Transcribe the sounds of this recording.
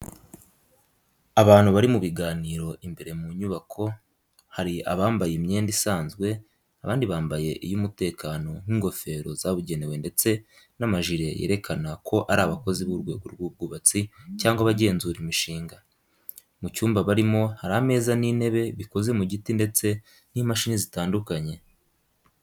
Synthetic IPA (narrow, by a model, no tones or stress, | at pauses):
aβaːn̥huβaɾimuβiɡaːniːɾo̞ʔimbe̞ɾe̞muɲuβakʰo̞ | haɾia̰βaːmbajemɲe̞ːndisaːnzɡwe̞ | aβaːndiβaːmbaje̞ʔijumute̞ːkaːno̞n̥hiŋɡo̞fe̞ːɾo̞̰zaβuɟe̞ne̞we̞nde̞t͡se̞ | namaʒiɾe̞jḛːɾe̞kʰanakʰo̞ʔaɾaːβako̞ziβuɾɡwe̞̰ːɡoɾɡuːb̚ɡuβat͡sicaːŋɡwaβaɟe̞ːnzuːɾimiʃiːŋɡa | mucuːmbaβaɾimo̞haɾaame̞ːzanine̞βe̞βiko̞ze̞muɟitinde̞t͡se̞ | n̥imaʃinizitaːndukaɲe̞